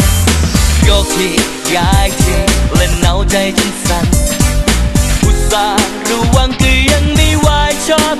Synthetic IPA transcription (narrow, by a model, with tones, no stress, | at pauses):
joː˧˩kʰli˧˩ | jaː˨˧jt̪ʰi˧˩le˧˩nːa˨˦˥wt͡ɕa˧jt͡ɕo˧nsa˨˧˩t̪̚ | ʔu˨˧˥t̪̚saː˨˦ | ɾuː˨˦˥wa˧˥ŋkɯ˧ja˧˥ŋniː˧˥˩waː˧jt͡ɕʰɔː˥˩p̚